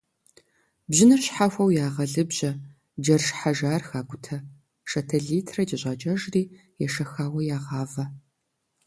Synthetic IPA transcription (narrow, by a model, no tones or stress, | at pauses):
bʑɪnɨrɕħafʷɐwjaːʁɐɮɨbʑɐ | d͡ʒɐrʃħaʒaːrxaːɡʷʊtʰɐ | ʃɐtʰɐɮiːtʰrɐd͡ʒɐɕʷʼaːd͡ʒʼɐʒriː | jɛʃɐxaːwɐjaːʁɑːvɐ